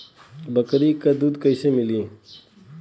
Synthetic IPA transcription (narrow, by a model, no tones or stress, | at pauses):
bəkɾikad̪uːd̪kəjsemɪliː